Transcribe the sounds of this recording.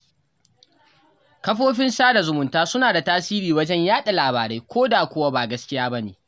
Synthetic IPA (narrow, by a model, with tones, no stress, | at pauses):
kɐ˦ɸoː˦ɸɪ˦nsaː˦da˨zʊ˨mʊ˨ntaː˦sʊ˦naː˨da˨taː˦siː˦ɾiː˨wɐ˦d͡ʒɛ˦ɲjaː˦ɗa˨laː˨baː˨ɾe˦jkʷoː˦daː˨kʷʊ˦wa˦baː˨ɡɐ˦skʲɪ˦jaː˦bɐ˦neː˨